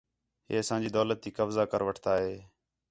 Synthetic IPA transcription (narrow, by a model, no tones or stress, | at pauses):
ɦḛːəsãːd͡ʒiːd̪oːlət̪̚ːiːkəbzaːkəɾʋəʈʰt̪aːɦeː